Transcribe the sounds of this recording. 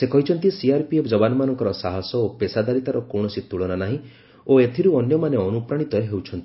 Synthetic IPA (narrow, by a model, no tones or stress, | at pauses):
sekɔɦit͡ʃʰɔnt̪isiaɾpiepʰd͡ʒɔbanɔmanɔŋkɔɾɔsaɦɔsɔopesad̪aɾit̪aɾɔkɔɽ̃ɔsit̪uɭɔnanaɦĩ | oet̪ʰiɾuɔnjɔmaneɔnupɾaɽ̃it̪ɔeɦewt͡ʃʰɔnt̪ii